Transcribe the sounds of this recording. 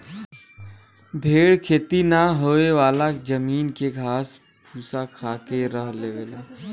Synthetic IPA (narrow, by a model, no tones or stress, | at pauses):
bʱeːɽkʰeːt̪inaɦoeʋaːlakd͡ʒəmiːnkeɡʱaːs | pʰuːsakʰaːkeɾəɦleʋeːleː